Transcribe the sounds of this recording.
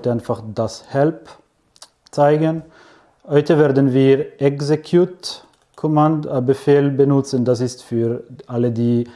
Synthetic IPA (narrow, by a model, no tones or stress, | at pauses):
taɪnfaχd̥ashɛlp | t͡saɪɡən | hɔʏtəveːɐdn̩viːʁʔɛkzekʰjut | kʰɔmandbəfeːlbənʊt͡səndas̬ɪstfyːʁʔalədiː